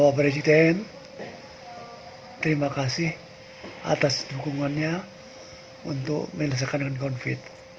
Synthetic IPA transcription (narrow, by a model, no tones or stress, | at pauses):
wapɾesidɛn | t̪əɾimakasɪh | ʔa̰t̪asd̥ukuŋanɲa | unt̪ʊ̰kməɲləs̬akankankɔnfɪt̪̚